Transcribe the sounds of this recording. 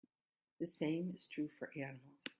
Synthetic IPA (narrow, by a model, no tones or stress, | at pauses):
ðɨsẽɪ̃mɨz̥tʰɹ̥ʉfə˞ʔænəml̩ˠz̥